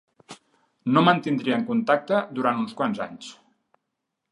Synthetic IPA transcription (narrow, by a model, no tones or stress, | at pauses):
nomənt̪ind̪ɾiəŋkunt̪ak̚t̪əd̪uɾant̪unskwanza̰ɲs